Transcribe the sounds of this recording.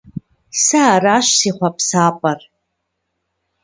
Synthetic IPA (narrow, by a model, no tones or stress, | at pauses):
saːraʃsiχʷapʰsaːpʼar